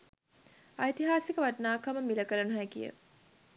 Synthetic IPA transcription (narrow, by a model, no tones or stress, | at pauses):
ɐjt̪iɦaːsikəʋaʈnaːkaməmiləkəɾənuɦækḭjə̰